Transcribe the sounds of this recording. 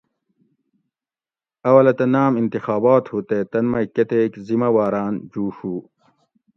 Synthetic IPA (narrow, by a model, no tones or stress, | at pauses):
ɐwɐlɐt̪ɐnaːmint̪ixaːbaːt̪hut̪eːt̪ɐnmɐket̪eːkzimɐwaːɾaːnd͡ʑuːɕuː